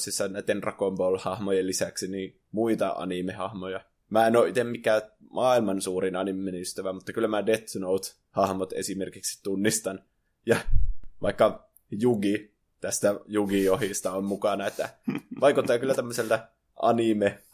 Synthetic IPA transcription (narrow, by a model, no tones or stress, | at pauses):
sisːɑnæit̪ːenrɑ̰kompolhɑhmojelːisæksiniː | muit̪ɑ̰ʔɑ̰nimehɑhmojɑ | mæːenoːʔit̪emmikːˑæ | mɑːilmɑnsuːrinɑnimːenyst̪æʋæmut̪ːɑkylːæmædet̪ːunout̪ | hɑhmot̪ḛsimerkiksi̥t̪unːist̪ɑn | jɑʋɑ̰ikːɑ | juɡi | t̪æst̪æjuɡiohist̪ɑommukɑnɑet̪ːæ̰ʋɑikut̪ːɑːkylːæt̪æmːøselt̪ɑ | ʔɑ̰nime